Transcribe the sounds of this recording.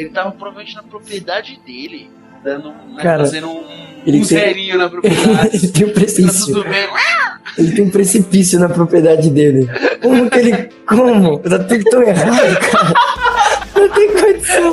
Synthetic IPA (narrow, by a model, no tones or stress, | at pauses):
elɪt̪aɐpɾovmẽt͡ʃɪnɐpɾopɾied̪ad͡ʒɪd̪elɪ | ɐnɐ̃kkaɾɐ̃ | elɪt̪ẽj̃i | elɪt̪ẽj̃ũpɾesisjʊ | elɪt̪ẽj̃ũpɾesipisijʊnɐpɾopɾied̪ad͡ʒɪd̪elɪũkɪelɪ | kõmʊet̪at̪ũd̪ʊt̪ɐ̃w̃eɦad̪ʊkʰaɾɐ | ũt̪ẽj̃kojt̪ɐ